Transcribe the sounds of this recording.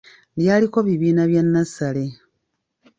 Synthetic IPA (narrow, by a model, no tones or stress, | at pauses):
ljaːliko̞βiβiːnaβjanːasale̞